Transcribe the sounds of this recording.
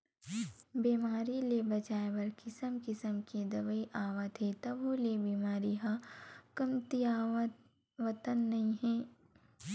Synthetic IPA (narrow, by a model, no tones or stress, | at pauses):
biːmaːɾilebɐt͡ʃaːebɐɾkɪsəmkɪsəmked̪ɐʋəiʔaːʋət̪ɦet̪ɐbolebiːmaːɾiɦakɐmt̪iaː | ʋɐt̪ənːɐɦĩɦɛː